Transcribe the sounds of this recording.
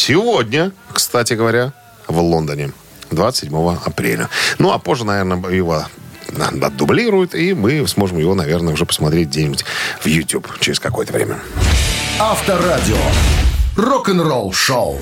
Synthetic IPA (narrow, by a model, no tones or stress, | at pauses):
sʲɪvo̞dʲnʲəkst̪atʲɪɡəvɐɾʲa | vlˠo̞nd̪ənʲɪ | d̪vat̪ə̥sʲɪdʲmo̞vəɐpɾʲḛlʲə̰nuɐpo̞ʐːənɐvʲernəjɪvo̰ | ɐ̰d̪ːʊblʲiɾʊjʊt̪imɨsmo̞ʐɨmjɪvo̞nɐvʲe̞rnəʊʐɛpə̥smɐt̪ɾʲetʲɡdʲenʲɪbutʲvjʊtʲupt͡ɕɪɾʲɪskɐko̞jət̪əvɾʲḛmʲə | aft̪əɾadʲɪo̰ | rokənrolˠʂolˠ